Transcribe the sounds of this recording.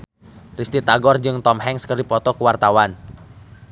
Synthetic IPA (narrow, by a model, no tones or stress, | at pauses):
rist̪it̪aɡɔrd͡ʒɨŋt̪ɔmɦɛŋskərdipɔt̪ɔkuwart̪awan